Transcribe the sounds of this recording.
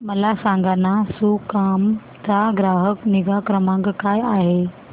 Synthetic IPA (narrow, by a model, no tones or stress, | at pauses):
məlasãŋɡanasukam | t͡saɡɾaɦəkniɡakɾəmãŋɡkajaɦe